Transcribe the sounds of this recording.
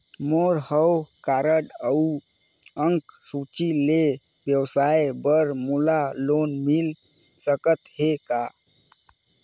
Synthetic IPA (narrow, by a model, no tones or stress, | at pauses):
moɾhəwkaɾəɖəu | əŋksut͡ʃile | bjəwsajbəɾmulalonmil | səkət̪ɦeka